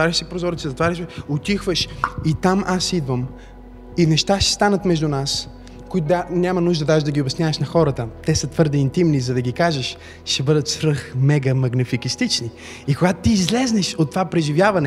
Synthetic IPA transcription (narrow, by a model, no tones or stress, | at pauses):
t̪vaɾʲɐʃsɛpɾozɔɾit̪sɛzɐt̪vaɾʲɐʃɛot̪ʲixvəʃit̪amʔasid̪vəm | inɛʃt̪aʃɛ̥st̪anət̪mɛʒd̪unas | koit̪ʊd̪anʲamɐnuʒd̪əd̪aʒɛd̪ɐɡʲiobʲɛsnʲjavɐʃnɐxɔɾət̪ət̪ɛsət̪vɤɾd̪ɛint̪imnizɐd̪ɐɡʲikaʒɛʃ | ʃɛbɤd̪ət̪sɾɤxmɛɡəmɐɡnɛfikist̪it͡ʃni | ikoɡat̪ʊt̪iːzlɛznɛʃot̪ːovapɾɛʒivʲjavɐnɛ